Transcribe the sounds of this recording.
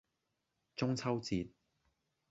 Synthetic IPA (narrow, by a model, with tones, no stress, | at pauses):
t͡sʊ˥ŋt͡sʰɐ˥wt͡siː˧t̚